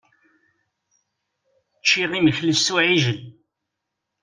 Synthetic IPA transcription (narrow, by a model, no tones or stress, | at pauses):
t͡ʃːiʁiməçlist̪uʕiʒən